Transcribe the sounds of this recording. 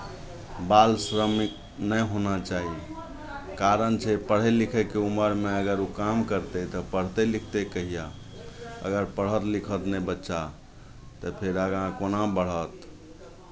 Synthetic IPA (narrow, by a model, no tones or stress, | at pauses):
balsɾəmik̚ | nəjɦonat͡ʃaɦi | kaɾənt͡ʃʰɛpəɽ̤ɛlikʰɛkeuməɾmeəɡəɾukamkəɾt̪ɛt̪ɔpəɽ̤t̪ɛlikʰt̪ekəɦija | ə̰ɡəɾpəɽ̤ət̪likʰət̪nɛbətːʃa | t̪əpʰeɾəɡãkonãbəɽ̤ət̪